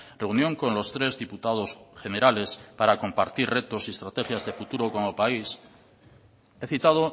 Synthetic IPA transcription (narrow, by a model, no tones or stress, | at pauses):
reunjõ̞ŋko̞nlo̞st̪ɾe̞zðiput̪að̞o̞sχe̞ne̞ɾale̞spaɾako̞mpaɾt̪irre̞t̪o̞siest̪ɾat̪e̞xjazðe̞fut̪uɾo̞ko̞ŋelpais | e̞θit̪að̞o̞